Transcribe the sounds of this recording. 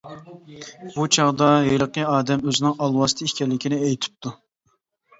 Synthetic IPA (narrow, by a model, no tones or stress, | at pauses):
b̥ut͡ʃʰɑʁd̪ɑjelˠəqəɑːd̪ɛmøzɪnɪŋɑlˠwɑst̪ʰɨikʲɛlːɪkʲinɪejt̪ʰɪ̥p̚t̪ʰu